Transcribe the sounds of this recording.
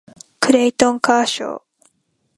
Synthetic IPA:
kɯ̟ɾeit̪õŋkaːɕo̰ː

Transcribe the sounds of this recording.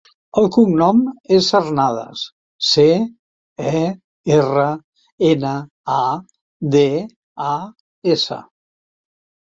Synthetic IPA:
əlˠkuŋnɔmezəɾnaðə̰s | se | ɛ | erə | enə | a | d̪e | a | esə̰

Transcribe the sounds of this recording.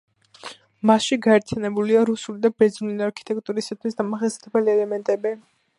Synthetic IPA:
masʃiɡaɛɾt̪ʰjanɛbuliaɾusulid̪abɛd̪zniliaɾkʰi̥t̪ʼɛk̚t̪ʼuɾisat̪ʰwisd̪amaχɛst̪ɛbɛliɛlɛmɛnt̪ʼɛbi

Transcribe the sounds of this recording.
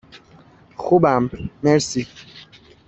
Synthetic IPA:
xubamːɛɾsi

